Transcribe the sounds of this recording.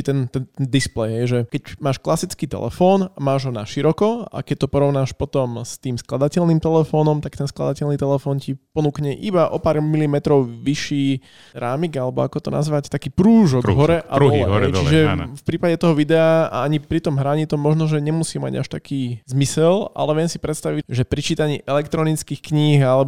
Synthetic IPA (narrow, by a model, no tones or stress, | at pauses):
t̪ɛnt̪ɛnt̪ɛnd̪isplɛjɦɛjʒɛkɛcmaːʃklasit͡skiːt̪ɛ̰lɛ̰fɔːnamaːʒɦɔna̰ʃiɾɔkɔa̰kɛc̚t̪ɔpɔɾɔʊnaːʃpɔt̪ɔmst̪iːmsklad̪acɛlniːmt̪ɛlɛfɔːnɔmt̪ak̚t̪ɛnskla̰d̪acɛlnit̪ɛlɛfɔːncipɔnuːkɲɛʔibaʔɔpaːɾmilimɛt̪ɾɔʊʋiʃiː | ɾaːmiɡalɛbɔ̰akɔt̪ɔna̰zʋact̪akiːpɾuːʒɔɡɦɔɾɛʔaɾuɔɦɛt͡ʃiʒɛ̰fpɾiːpaɟɛt̪ɔɦɔʋid̪ɛaa̰aɲipɾit̪ɔmɦɾaɲit̪ɔmːɔʒnɔʒɛɲɛmusiːma̰ɟa̰ʃt̪akiːzmisɛla̰lɛʋɪɛmsi̥pɾɛt̪st̪aʋiʒɛpɾit͡ʃiːt̪aɲḭːʔɛlɛkt̪ɾɔnit͡skixkɲiɦalɛb